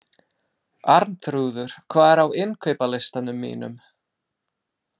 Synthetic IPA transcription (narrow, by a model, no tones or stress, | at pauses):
aɾnt̪ɾuːðʏɾ̥kʰvaːðɛɾawɪnkʰœɥpalejst̪anʏmːḭːnʏ̰m